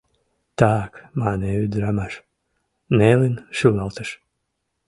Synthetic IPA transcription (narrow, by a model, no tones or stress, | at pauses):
t̪aːkmaːnɛyd̪ɾamaʃ | nɛlinʃulalˠt̪aʃ